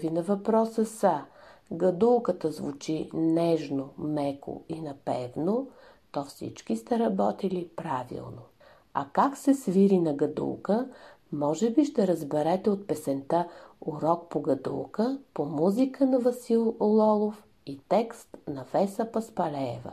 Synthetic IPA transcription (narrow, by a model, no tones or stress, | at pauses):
vinɐvɐpɾɔsəsəɡɐd̪ulˠkət̪əzvut͡ʃinɛʒnomɛko̰inɐpɛvno | t̪ɔfsḭt͡ʃk̟ist̪ɛɾɐbɔt̪ilipɾavḭlˠno | ɐ̰kaksɛsviɾinɐɡɐd̪ṵlˠkə | mɔʒɛbiʃt̪ɛɾəzbɛɾɛt̪ɛot̪̚pɛsɛnt̪əʊɾɔk̚poɡɐd̪ṵlˠkəpomuzikənɐvɐsilˠlˠɔlˠof | it̪ɛkst̪nɐvɛsəpɐspɐlɛːvə̰